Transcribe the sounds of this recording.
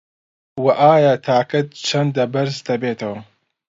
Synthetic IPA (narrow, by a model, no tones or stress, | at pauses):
wɐʔaːjaːt̪ʰaːkɐt̪̚t͡ʃʰɐnd̪ɐbɐɾzd̪ɐbeːt̪ʰɐwɐ